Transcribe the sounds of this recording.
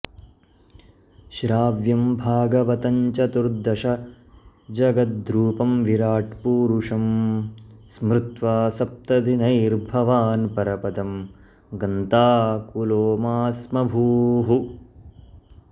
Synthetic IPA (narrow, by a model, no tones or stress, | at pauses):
ʃɾaːʋjɐmbʱaːɡɐʋɐt̪ɐɲt͡ʃɐt̪uɾd̪ɐʃɐ | d͡ʒɐɡɐt̪̚d̪ɾuːpɐmʋiɾaːʈpuːɾuʂɐm | smɾut̪ʋaːsɐp̚t̪ɐd̪inɐjɾbʱɐʋaːnpɐɾɐpɐd̪ɐm | ɡɐnt̪aːkuloːmaːsmɐbʱuːɦu